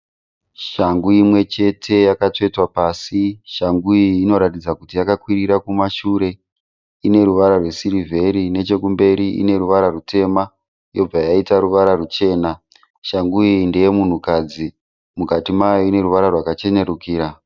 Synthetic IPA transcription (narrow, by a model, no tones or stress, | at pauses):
ʃaŋɡuimwe̞t͡ʃe̞tʰe̞jakato̞itwapaːsiʃaŋɡuiːno̞ɾatid͡zakutijakakwiriɾakumaʃuɾe̞ | ine̞ɾuʋaɾarwe̞sirivʱe̞ɾine̞t͡ʃe̞k̬umbe̞ɾiḭne̞ɾuʋaɾarute̞ma | jo̞b͡vajaitaɾuʋaɾarut͡ʃe̞ːna | ʃaŋɡuindejemun̤ukad͡zi | mukatimajo̞ine̞ɾuʋaɾarwakat͡ʃe̞ɲe̞ɾukiːɾa